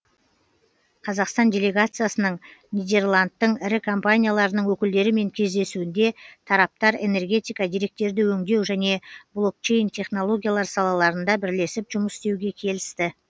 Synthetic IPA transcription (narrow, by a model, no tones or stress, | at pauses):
qʰɑzɑqst̪ɑndʲe̞lʲe̞ɡat̪sɨjasənəɴnijd̪ʲe̞rlˠant̪ːəɴɪɾɪkʰo̞mpanʲijalˠɑɾənəɴwɵkʲɪld̪e̞ɾɪme̞ŋkʲʰe̞zd̪e̞suɪnd̪e̞t̪ʰɑɾɑp̚t̪ɑɾe̞̰ne̞rɡʲe̞t̪ijkɑd̪iɾe̞k̚t̪e̞ɾd̪ɪwɵŋd̪e̞wʒæne̞blˠo̞k̚t͡ʃe̞jnt̪ʲʰe̞χno̞lˠo̞ɡʲijalˠɑɾsɑlˠɑlˠɑɾənd̪ɑbɪɾle̞sɪpʒʊməsɪ̥st̪e̞wɡʲe̞kʲʰe̞lɪst̪ɪ